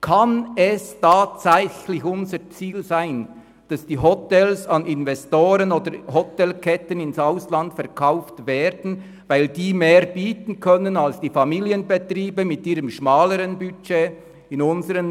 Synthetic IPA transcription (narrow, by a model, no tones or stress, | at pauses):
kʰɑnɛstʰaːtt͡sæɪçlɪçʊnzət͡siːlzaɪn | d̥ɑsd̥iːɦɔtɛlsɑnɪnvɛstoːɾənoːdəɾɦɔtɛlkʰɛtənɪnsaʊslɑntfɛʁkʰaʊftveːɾdn̩ | vaɪldiːmeːʁb̥iːtn̩kʰœnənɑlsd̥iːfɑmiːliənbetriːbəmɪtiːɾəmʃmɑːləɾənbyt͡ʃeː | ɪnʊnzəɾən